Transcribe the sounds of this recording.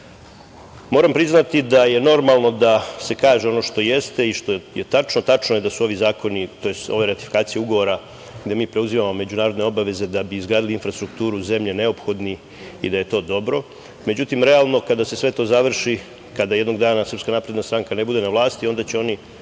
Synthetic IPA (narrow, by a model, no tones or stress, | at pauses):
mo̞ːɾampɾiznat̪id̪aje̞no̞ɾmalˠno̞d̪ase̞kaːʒeo̞no̞ʃt̪o̞jest̪e̞iʃt̪o̞jet̪at͡ʃnot̪at͡ʃnoje̞d̪asuo̞ʋizaːko̞nit̪o̞jest̪o̞̰ʋeɾat̪i̥fikaːt̪sije̞uɡo̞ʋo̞ɾa | ɡd̪e̞miːpɾe̞uzimamo̞me̞d͡ʑunaːɾod̪neo̞baʋe̞ze̞d̪abiːzɡɾaːd̪iliinfɾast̪ɾukt̪uːɾuze̞mʎe̞ne̞o̞pxo̞d̪ni | ḭd̪aje̞t̪o̞ːd̪o̞bɾo̞ | me̞d͡ʑut̪imɾe̞alˠno̞kad̪ase̞sʋe̞t̪o̞ːzaʋr̩ʃi | kad̪ajed̪no̞ɡd̪aːnasər̩pskanaːpɾe̞d̪nast̪ɾaŋkane̞bud̪e̞naʋlˠaːst̪io̞nd̪at͡ɕeo̞ni